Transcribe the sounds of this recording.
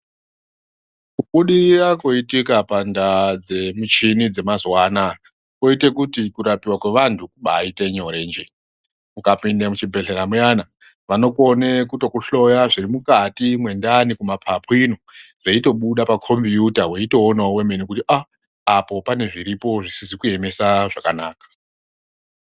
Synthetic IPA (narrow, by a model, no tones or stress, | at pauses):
kuɓuɗirrakoitikapandad͡ze̞mit͡ʃinid͡ze̞mazwaːna | ko̞ite̞kutikuɾapiwakwe̞ʋantʰukuɓaːite̞ɲoɾe̞nd͡ʒe | mukapindamut͡ʃibʱe̞ɬe̞ɾamujana | ʋano̞ko̞nekuto̞kuɬo̞jaʐirimukatimwe̞ndanikumapʰapʰoino̞ʐeito̞ɓuɗapakʰo̞mviutaweito̞ːnaowe̞me̞nikutiʔaː | po̞pane̞ʐiɾipo̞ʐisisikue̞me̞saʐakanaːkḁ